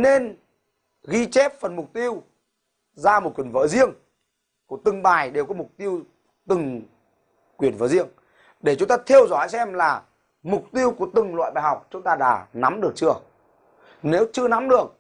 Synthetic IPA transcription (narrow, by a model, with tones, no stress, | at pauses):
ne˧n | ɣi˧t͡ɕe˦˥p̚fə˨˩nmʊ˨˩k͡p̚t̪i˧əw | zaː˧mo˨˩t̚kwi˨˩ən˩və̰ː˧˥zi˧əŋ | ku˧˩ət̪ɨ˨˩ŋɓaː˨˩jɗe˨˩wkɔ˨˦mʊ˨˩k͡p̚t̪i˧əw | t̪ɨ˨˩ŋ | kwi˨˩ənvə̰ː˧˥zi˧əŋ | ɗe˧˩t͡ɕʊ˨˦ŋ͡mt̪aː˧t̪ʰe˧əwzɔ˧˩jsɛ˧mlaː˨˩ | mʊ˨˩k͡p̚t̪i˧əwku˧˩ət̪ɨ˨˩ŋlwa̰ː˧˨jɓaː˨˩jɦa˨˩wk͡p̚t͡ɕʊ˨˦ŋ͡mt̪aː˧ɗa̰ː˧˩na˨˦mɗɨ˨˩ək̚t͡ɕɨ˧ə | ne˨˦wt͡ɕɨ˧əna˨˦mɗɨ˨˩ək̚